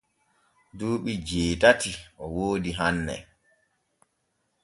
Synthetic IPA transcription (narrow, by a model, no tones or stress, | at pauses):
duːɓid͡ʒeːtatiʔɔwoːdiɦanːɛ̰